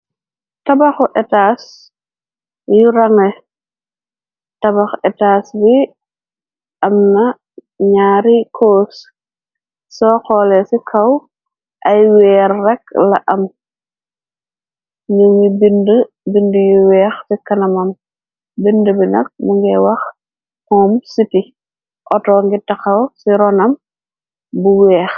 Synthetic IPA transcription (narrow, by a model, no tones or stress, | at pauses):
tɐbɐxuʔɛtaːs | juɾɐŋɛ | tɐbɐxɛtaːsbi | ʔɐmnɐ | ɲaːɾikʰoːs | sɔxɔlɛsikʰɐw | ʔɐjwɛːrːɛklɐ̰ʔɐm | ɲuŋibində | bindəjuwɛːxsikɐnɐmɐm | bindəbinɐ̰k̚muŋɡɛwɐx | hɔːmsiti | ʔɔtɔːŋɡitɐxɐwsiɾɔnɐm | buwɛːx